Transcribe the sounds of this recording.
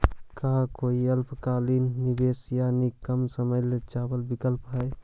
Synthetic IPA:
kaɦkoiəlpʰkalinːibesjanikəmsəməjled͡ʒabəlbikəlpɦəj

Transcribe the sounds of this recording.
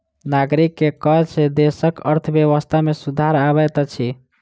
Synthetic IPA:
naɡɾikːekɔɦt͡ʃed̪esəkəɾt̪ʰəbjeβəst̪ʰamesud̪ʱaɾabɛt̪t͡ʃʰi

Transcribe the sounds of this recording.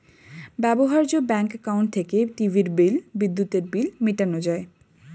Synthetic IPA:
bɛboɦaɾd͡ʑobɛŋkkawɳʈ̚t̪ʰekeʈivʱiɾbilbid̪ːut̪eɾbilmiʈanod͡ʑae

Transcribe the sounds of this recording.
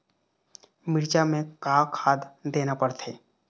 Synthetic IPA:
mɪɾt͡ʃamẽkaːkʰaːd̪d̪eːnapəɽt̪ʰeː

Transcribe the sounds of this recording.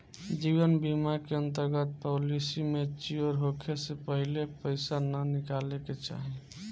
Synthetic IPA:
d͡ʒibənbimakeənt̪əɾɡət̪̚polisimet͡ʃiəɾɦokʰesepəɦilepəɪsanənikaleket͡ʃa̰ɦi

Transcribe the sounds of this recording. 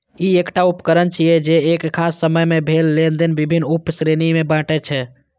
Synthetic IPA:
iekʈaupkəɾənt͡ʃʰijɛd͡ʒeekkʰːasːəməjmebʱelːend̪ənbibʱinːupsɾenimebãʈɛt͡ʃʰɛ

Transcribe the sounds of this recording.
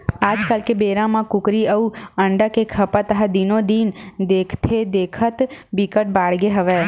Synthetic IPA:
ad͡ʒkalkebeɾãmãkʊkɾiəuəɳɖəkekʰəpət̪əɦad̪inod̪ind̪ekʰt̪ʰed̪ekʰət̪bikəʈ̚baɽɡeɦəʋe

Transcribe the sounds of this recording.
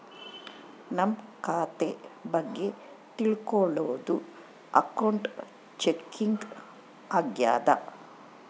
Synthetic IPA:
nɐmkaːt̪ebɐɡːe̞ | t̪iɭkɔɭoːd̪u | ɐ̰kɐwɳʈ | t͡ʃekːiŋɡ | aːɡja̰ːd̪ɐ̰

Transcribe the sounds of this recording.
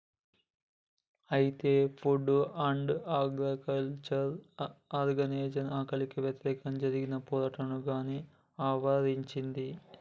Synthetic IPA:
ɐjit̪epʰuɖuɐɳɖaːɡɾikɐlt͡ʃɐɾɐɾɡɐneːd͡ʒɐnaːkɐlikːuʋjɐt̪iɾeːkɐmd͡ʒɐɾiɡinɐpoːɾɐʈːɐɳuɡaːni | aːʋɐɾiɲt͡ʃind̪i

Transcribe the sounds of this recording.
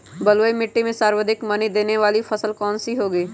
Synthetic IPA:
bɐlʋəimɪʈːimẽsaːɾwəd̪ʱɪkmɐnid̪eːneʋaːlipʰɐsəlkɔːnsiɦoːɡəiː

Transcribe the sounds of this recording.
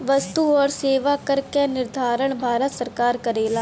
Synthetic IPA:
ʋəst̪uɔːɾseːʋakɐɾkenɪɾd̪ʱaːɾəɽ̃bʱaːɾət̪səɾkaːɾkɐɾeːlaː

